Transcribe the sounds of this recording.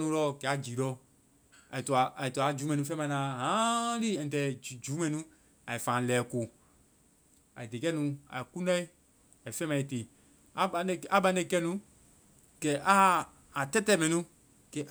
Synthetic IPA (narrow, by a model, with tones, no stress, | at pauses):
nũ˧˦lɔ˦˨kɛ˨a˨d͡ʒiː˨˦lɔ˦ | a̰˨i˨tɔ˨a˨ʔa˨i˨tu˧˨a˨˦d͡ʒu˨˦mɛ̃˨nũ˧fɛ̃˦mã˧˨˧lãː˨˦ɦã˨˦li˦ɛ̃˨tɛ˨d͡ʒuː˨˦mɛ̃˧nũ˦ | a˨i˨fã˨lɛː˨˦ko˨ | a̰˨i˨de˨kɛ˦nũ˧a̰˨i˨ku˦nã˦i˦ | a˨i˨fɛ̃˦mã˧˨i˨teː˨ | a˦ɓa˧a˨˦ɓã˨˦ne˧˨kɛ˦nũ˨˦ | kɛ˨ʔa˦ | a˨tɛ˦tɛ˦˨mɛ̃˧nũ˦ | kɛ˨ʔ